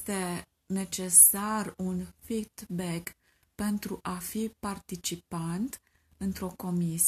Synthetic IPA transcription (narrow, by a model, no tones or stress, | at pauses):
t̪e̞ | ne̞t͡ʃe̞sarunfid̪bek | pe̞nt̪ɾuʔafipart̪it͡ʃipant̪ | ɨnt̪ɾo̞ko̞mis